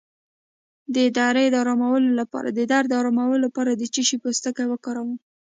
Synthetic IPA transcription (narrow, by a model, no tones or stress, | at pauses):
d̪əɪd̪ɑɾed̪ɑɾɑmawəlolapɑ̰ɾa̰d̪əd̪aɾd̪ɑɾɑmawəlapɑɾad̪ət͡ʃiʃipəst̪əkawəkɑɾawəm